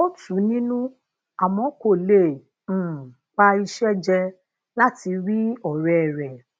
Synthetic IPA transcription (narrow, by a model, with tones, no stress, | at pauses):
o˦tʰũ˨˦nĩ˦nũ˦ | a˨mɔ̃˨˦ko˨lẽ˨ | k͡pa˧i˧ʃɛ˦d͡ʒɛ˧ | la˦ti˧ɾi˦ɔ˨ɾɛ˨ɾɛ˨